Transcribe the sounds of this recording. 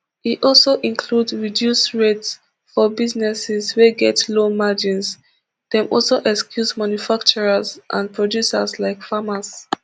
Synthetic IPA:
itʔɔlˠsoʔĩnkʰludɹidjusɹets | fɔbiznɛsɪzweɡɛtlomad͡ʒĩns | dɛ̃mʔɔ̰lsoʔɛkskjuzmãnjufakt͡ʃɔɹazʔã̰npʰɹɔdjusa̰slaɪkfamas

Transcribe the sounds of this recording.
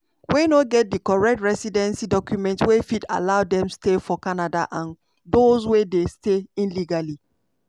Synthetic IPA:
wenoɡɛt̚dikɔɹɛk̚tɹɛsidɛ̃nsidɔkjumɛ̃ntwefida̰laʊdɛ̃mstefɔkanada̰ʔãn | dozwedesteĩnliɡali

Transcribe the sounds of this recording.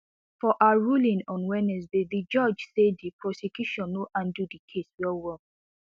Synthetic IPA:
fɔʔaaɹulĩnɔ̃nwɛnɛs̬beðid͡ʒɔd͡ʒsedipɹɔsekjuʃɔ̃nːoʔãndudikʰeswɛwɔ

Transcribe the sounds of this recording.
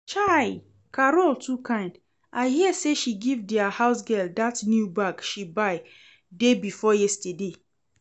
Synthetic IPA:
t͡ʃaɪ | kʰaɹoltʰukʰãɪ̃nd | ʔaɪhiəseʃiɡivdɛahaʊsɡɛldatnjubakʃibaɪ | debifɔjɛstəde

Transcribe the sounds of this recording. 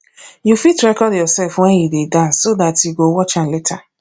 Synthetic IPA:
jufitɾɛkɔdjɔsɛlfwɛ̃njidedasodatʰiɡowɔt͡ʃãnletʰa

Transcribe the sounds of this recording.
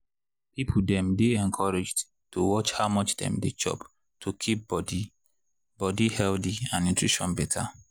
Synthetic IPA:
pip̩ʰdɛ̃mdeɛ̃nkʰɔɹed͡ʒd | towɔt͡ʃhaʊmɔt͡ʃdɛ̰̃mdet͡ʃɔ̰p | tʰukʰip̚bɔdi | bɔdihɛldiãnnũtʰɹiʃɔ̰̃nbɛtʰa̰

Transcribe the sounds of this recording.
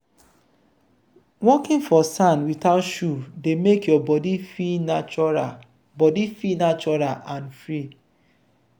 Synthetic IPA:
wɔkĩnfɔsãnwitaʊtʃudemekjɔbɔdifinaa | bɔdifinat͡ʃɔɹalʔãnfɹi

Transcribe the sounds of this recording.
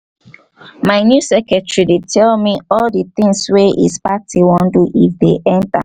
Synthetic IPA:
maɪnjusɛkɛtɹidetʰɛlmiɔldit̪ĩŋsweʔḭzpatʰiwɔ̃nduʔifdeʔɛ̃nta̰

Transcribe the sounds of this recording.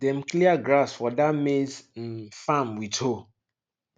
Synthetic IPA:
dɛ̃m̩kʰliaɡɾasfɔdamesm̩fãmwitʰo

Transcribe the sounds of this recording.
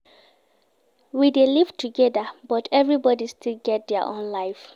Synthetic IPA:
wideliv̥tuɡɛðəbɔtʰɛvɹibɔdistilɡɛt̚dɛəʔõ̰nlaɪf

